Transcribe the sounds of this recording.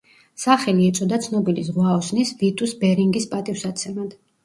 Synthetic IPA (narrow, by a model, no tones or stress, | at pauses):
saχɛliɛt̪sʼɔd̪at̪sʰnɔbilisʁwaɔsnisvit̪ʼusbɛɾiŋɡispʼat̪ʼifsat̪t̪sʰɛmad̪̥